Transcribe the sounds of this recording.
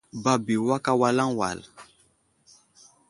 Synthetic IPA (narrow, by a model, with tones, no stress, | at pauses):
ba˨bi˨wa˦ka˦wa˦lã˦ŋwa̰˨l